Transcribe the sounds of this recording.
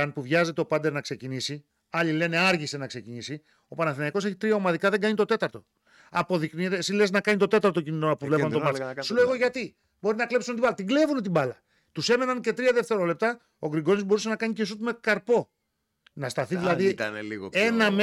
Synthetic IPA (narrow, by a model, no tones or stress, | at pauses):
ɐnpuvʝɐze̞t̪eo̞pɐd̪e̞ɾnɐkse̞cinisi | ɐʎile̞ne̞ɐɾʝise̞nɐkse̞cinisi | o̞pɐnɐθinɐiko̞se̞çit̪ɾiɐo̞mɐðikɐðeɡɐɲit̪o̞t̪e̞t̪ɐɾt̪o̞ | ɐpo̞ðikniɾesileznɐkɐɲit̪o̞t̪e̞t̪ɐɾt̪o̞cinit̪onɐpovle̞pɐnt̪omɐsuloeɣo̞ʝɐt̪i | bo̞ɾinɐkle̞psunet̪ibɐlɐt̪iɡle̞vunet̪ibɐlɐ | t̪use̞me̞nɐnce̞t̪ɾiɐðe̞ft̪e̞ɾo̞le̞p̚t̪ɐ | o̞ɡɾiɡo̞nizbo̞ɾuse̞nɐkɐɲicesut̪umekɐɾpo̞ | nɐst̪ɐθiðilɐðinliɣenɐm